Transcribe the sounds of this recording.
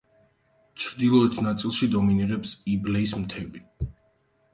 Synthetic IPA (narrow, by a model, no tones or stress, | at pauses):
t͡ʃʰɾd̪ilˠɔɛt̪ʰnat̪sʼilˠʃid̪ɔminiɾɛpsiblɛismt̪ʰɛbi